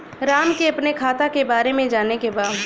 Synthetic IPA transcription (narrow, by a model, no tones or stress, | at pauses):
ɾaːmkeɐpnekʰaːt̪akebaːɾemẽd͡ʒaːnekebaːd̪